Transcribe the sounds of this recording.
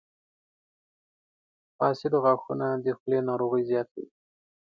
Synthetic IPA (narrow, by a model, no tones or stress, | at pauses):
fɑːsɪd̪oɣaxunad̪exlenɑɾoɣəjzjɑːt̪i